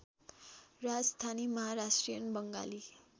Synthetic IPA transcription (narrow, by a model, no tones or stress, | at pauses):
rad͡zst̪ʰanimʌɦaɾasʈrijənbʌŋɡa̰li